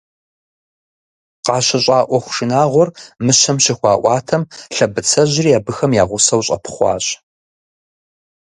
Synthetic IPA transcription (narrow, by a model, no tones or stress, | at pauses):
qɑːɕɐɕʼɑːʔʷɔxʷʊ̥ʃɪnaːʁʷɔrmɨɕɐmɕɪxʷɑːʔʷɑːtʰɐmɬɐbɨt͡sʰɐʑɪrijaːbɨxɐmjaːʁʷʊsɐwɕʼɐ̰pʰχʷɑ̰ːɕʼ